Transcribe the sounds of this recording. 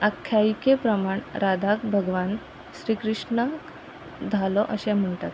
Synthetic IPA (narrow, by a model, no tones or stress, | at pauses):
əkʰːjaikepɾəmaɳɾad̪ʱakbʱəɡʋan | ɕɾiːkɾiʂɳak | d̪ʱalɔʔəɕɛm̤əɳʈat̪